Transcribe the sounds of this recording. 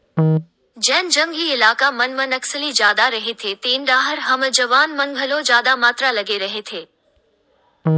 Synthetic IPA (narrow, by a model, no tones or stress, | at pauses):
d͡ʒɛ̃ːnd͡ʒɐŋɡiɪlaːkamɐnmɐnɐksəlid͡ʒjaːd̪aɾɐɦet̪ʰet̪eːnɖaːɦəɾɦɐməd͡ʒɐʋaːnmɐnɡʱəlod͡ʒjaːd̪amaːt̪ɾalɐɡeɾɐɦet̪ʰeː